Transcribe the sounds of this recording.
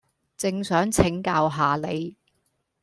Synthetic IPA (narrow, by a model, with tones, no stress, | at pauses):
t͡sɪ˧ŋsœː˨˥ŋt͡sʰɪ˨˥ŋkaː˧wɦaː˨le˨˧j